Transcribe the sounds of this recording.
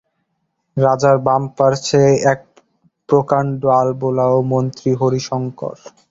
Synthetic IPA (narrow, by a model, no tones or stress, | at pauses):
ɾad͡ʑaɾbampaɾt͡ɕʰeɛk̚ | pɾokaɳɖoalbolaomont̪ɾiɦoɾiʃɔŋko̰ɾ